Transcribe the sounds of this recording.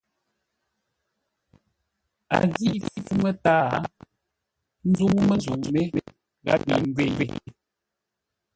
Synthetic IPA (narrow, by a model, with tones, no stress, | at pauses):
a̰˨ɣi˦ʔfi˦fu˦mə˦taː˦˨˦ | n̩˦zu˦ŋ˦mə˦zu˨me˦me˦ | ɣa̰˦bi˨ŋ˦ɡwe˨jwe˨